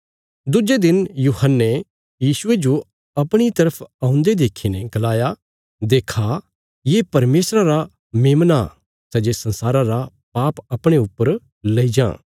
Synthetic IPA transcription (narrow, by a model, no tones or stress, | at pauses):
d̪ʊd͡ʒed̪ɪnjuhənːe | jiːsʊed͡ʒo | ɐpɽ̃it̪ɐɾəpʰãːʊ̃nd̪ed̪eːkʰineɡɐlaːja | d̪eːkʰa | jeːpɐɾmeːsɾaɾa | meːmna̰ | sɐd͡ʒesɐ̃nsaːɾãɾa | paːpɐpɽ̃eʊpːəɾ | lɐid͡ʒã̰ː